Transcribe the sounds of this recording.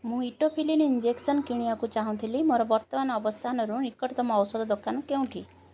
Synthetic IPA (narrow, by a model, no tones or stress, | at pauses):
mũiʈopʰilinind͡ʒeksɔnkiɽ̃iakut͡ʃaɦũt̪ʰilimoɾɔbɔɾt̪ɔmanɔɔbɔst̪ʰanɔɾunikɔʈt̪ɔmɔːwsɔd̪ɔd̪okanɔkeũʈʰḭ